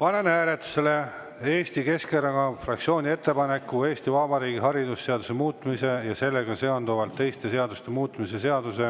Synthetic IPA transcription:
pɑne̞næːle̞t̪ːˑu̥se̞le̞ | e̞ːst̪ike̞skeɾɑɡɑfrɑk̪̚sio̞ːnʲie̞t̪ːe̞pɑne̞kːue̞ːst̪ivɑbɑɾiːɡiɦɑɾid̪usːe̞ɑd̪use̞muːt̪ːˑmise̞jɑse̞lːe̞ɡ̥ɑse̞ond̪uvɑlt̪ːe̞jst̪e̞se̞ɑd̪ust̪e̞muːt̪ːmise̞se̞ɑd̪̥use̞

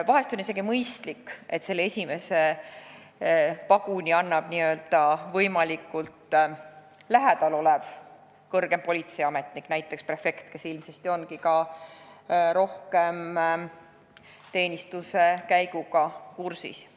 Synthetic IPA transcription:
vɑɦe̞st̪o̞nis̬e̞ɡimɤjst̪likːʔe̞t̪se̞lːee̞sʲime̞se̞ | pɑɡ̥unʲiɑnːɑb̥niø̞ld̪̥ɑvɤjmɑlikˑult̪ | læɦɛd̪̥ɑlo̞lɛv | kɤrɡ̥e̞mpo̞lʲit̪se̞jɑme̞t̪niknæjt̪ˑːe̞ksprefe̞kt̪ke̞silmsest̪io̞nkikɑ | ɾo̞hke̞m | t̪e̞ːnʲist̪use̞kæjɡuɡ̥ɑkursḭs

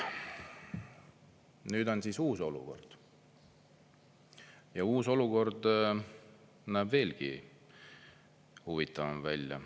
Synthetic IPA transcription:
nyːd̪o̞nsisuːso̞lṵko̞̰rd̪̥ | jɑuːso̞luko̞rd̪ | næːbve̞ːlɡ̥i | huvit̪ːˑɑvɑmvælʲjɑ̰

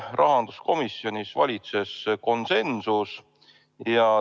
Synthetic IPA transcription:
rʔɑɦɑnd̪̥usko̞misjo̞nʲisvɑ̰lʲit̪se̞sko̞nse̞nsus | jɑ

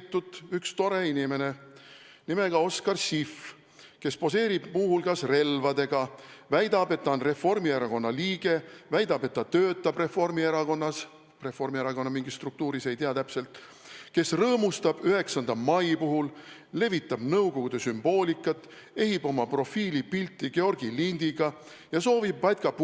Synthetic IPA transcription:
t̪ːut̪ːykst̪o̞ɾe̞inime̞ne̞ | nime̞ɡ̥ɑo̞skɑrsif | ke̞spo̞s̬e̞ːɾib̥muːhulkɑsre̞lvɑd̪e̞ɡ̥ɑvæjd̪ɑbe̞t̪ːɑonre̞fo̞rmieɾɑko̞nːɑliːɡ̥e̞væjd̪̥ɑbe̞t̪ːɑt̪øːt̪ːˑɑb̥re̞fo̞rmieɾɑɡo̞nːɑs | re̞fo̞rmieɾɑɡo̞nːɑmiŋɡ̥isːt̪ruk̚t̪uːɾise̞jt̪iɑt̪æpse̞lt̪ | ke̞srɤːmust̪ɑb̥yɦe̞ksɑnd̪ɑmɑjpuɦulːe̞vit̪ˑːɑb̥nɤwɡo̞ɡ̥ud̪̥e̞symb̥o̞ːlʲikːˑɑt̪ːˑ | e̞ɦibo̞mɑpro̞fiːlipilt̪ˑːiɡe̞o̞rɡ̥ilind̪̥iɡ̥ɑ | jɑso̞ːvibːɑjt̪̚ʲkɑp

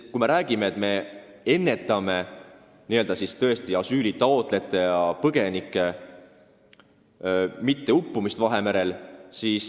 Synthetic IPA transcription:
kume̞ɾæːɡ̥imeet̪me̞ | e̞nːe̞t̪ːˑɑme̞ | niø̞ld̪ɑsist̪ɤ̞e̞st̪iɑsyːlit̪ɑo̞t̪ˑle̞t̪ːˑe̞jɑpɤɡ̥e̞nikːˑe̞ | mit̪ːe̞upːumist̪vɑɦe̞meɾe̞lsiːs

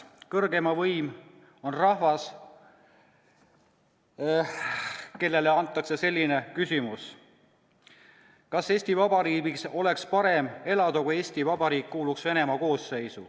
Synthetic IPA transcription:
kɤrɡe̞mɑvɤjm | o̞nrɑhvɑs | ke̞lːe̞le̞ɑnt̪ːˑɑkse̞se̞lʲːine̞kysimus | kɑse̞ːsʲt̪ivɑbɑɾiːbiso̞le̞kspɑɾe̞me̞lɑd̪̥ɑkuje̞ːsʲt̪ivɑb̥ɑɾiːkːuːluksve̞ne̞mɑko̞ːsːe̞jsṵ

